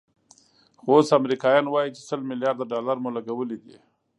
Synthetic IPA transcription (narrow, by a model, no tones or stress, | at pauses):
xosamɾikɑjɑnwɑjit͡ʃe̥səlmɪljɑɾd̪aɖɑlaɾmulaɡawəlid̪ḭ